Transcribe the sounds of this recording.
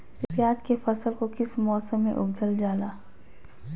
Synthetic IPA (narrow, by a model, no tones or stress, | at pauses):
ɪpjaːd͡ʒkefɐsəlkokɪsmɔːsəmːḛ̃ʔʊ̰b̚d͡ʒəld͡ʒaːlaː